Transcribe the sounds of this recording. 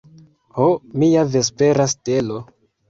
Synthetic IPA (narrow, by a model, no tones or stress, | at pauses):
homijave̞s̬pe̞ɾaste̞lo